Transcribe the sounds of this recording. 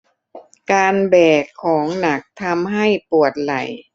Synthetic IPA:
kaː˧nbɛː˨˩t̪̚kʰːɔː˩˦ŋna˨˦k̚t̪ʰa˧mɦa˥˩jpu˨˩ət̪̚la˨˩j

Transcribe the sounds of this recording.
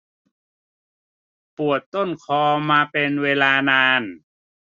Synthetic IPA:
pu˨˩ət̪ːo˥˩nkʰɔː˧maː˧pe˧nweː˧laː˧naː˧n

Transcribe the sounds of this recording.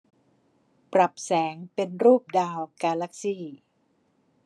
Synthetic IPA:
pɾa˨˩p̚sɛː˩˦ŋpe˧nɾuː˥˩p̚daː˧wkaː˧la˦˥k̚siː˥˩

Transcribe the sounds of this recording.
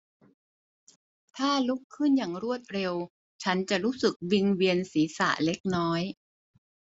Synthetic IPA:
t̪ʰaː˥˩lu˦˥kʰːɯ˥˩njaː˨˩ŋɾu˥˩ət̪̚ɾe˧w | t͡ɕʰa˦˥nt͡ɕa˨˩ʔɾuː˦˥sɯ˨˩k̚wi˧ŋwi˧ənsiː˩˦sa̰˨˩ʔle˦˥k̚nɔː˦˥j

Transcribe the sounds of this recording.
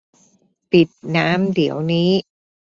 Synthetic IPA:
pi˨˩t̪̚naː˦˥mdi˩˦əwniː˦˥

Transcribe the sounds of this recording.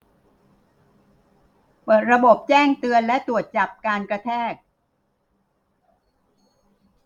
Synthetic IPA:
pɤː˨˩t̪̚ɾa˧bo˨˩p̚t͡ɕɛː˥˩ŋt̪ɯ˧ənlɛ˦˥t̪ɾu˨˩ət̪̚t͡ɕa˨˩p̚kaː˧nkɾa˧t̪ʰɛː˥˩k̚

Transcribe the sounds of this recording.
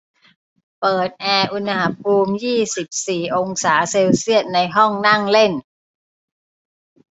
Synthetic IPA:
pɤː˨˩t̪̚ʔɛː˧ʔu˧nha˨˦˥pʰuː˧mjiː˥˩si˨˩p̚siː˨˩ʔo˧ŋsaː˩˦seː˧wsi˥˩ət̪̚na˧jɦɔ˥˩ŋna˥˩ŋle˥˩n

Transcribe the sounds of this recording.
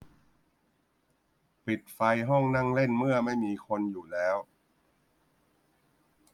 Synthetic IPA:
pi˨˩t̪̚fa˧jɦɔ˥˩ŋna˥˩ŋle˥˩nmɯ˥˩ɐma˥˩jmiː˧kʰo˧njuː˨˩lɛː˦˥w

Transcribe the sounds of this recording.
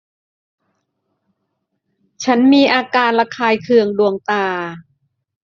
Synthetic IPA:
t͡ɕʰa˦˥nmiː˧ʔaː˧kaː˧nla˧kʰaː˧jkʰɯ˧əŋdu˧əŋt̪aː˧

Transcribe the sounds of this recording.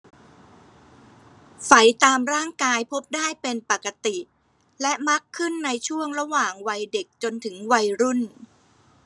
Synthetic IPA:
fa˨˩jt̪aː˧mɾaː˥˩ŋkaː˧jpʰo˦˥p̚daː˥˩jpe˧npa˨˩kːa˧t̪i˨˩ | lɛ˦˥ma˦˥kʰːɯ˥˩nːa˧jt͡ɕʰu˥˩əŋɾa˧waː˨˩ŋwa˧jde˨˩k̚t͡ɕo˧nt̪ʰɯ˩˦ŋwa˧jɾu˥˩n

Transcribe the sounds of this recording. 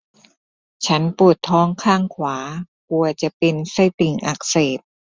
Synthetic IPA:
t͡ɕʰa˦˥npu˨˩ət̪ʰːɔː˦˥˩ŋkʰaː˥˩ŋkʰwaː˩˦ | ku˧ɐt͡ɕa˨˩pe˧nsa˥˩jt̪i˨˩ŋʔa˨˩k̚seː˨˩t̪̚

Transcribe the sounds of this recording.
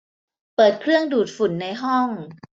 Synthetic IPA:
pɤː˨˩t̪̚kʰɾɯ˥˩əŋduː˨˩t̪̚fu˨˩˦nːa˧˥jɦɔ˥˩ŋ

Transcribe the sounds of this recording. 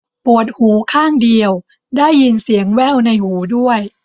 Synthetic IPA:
pu˨˩ət̪̚huː˩˦kʰaː˥˩ŋdi˧əw | daː˥˩jːi˧nsi˩˦əŋwɛː˥˩wna˧jhuː˩˦du˥˩əj

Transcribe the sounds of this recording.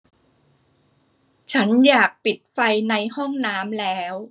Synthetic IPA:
t͡ɕʰa˦˥njaː˨˩k̚pi˨˩t̪̚fa˧jna˧jhɔ˥˩ŋnaː˦˥mlɛː˦˥w

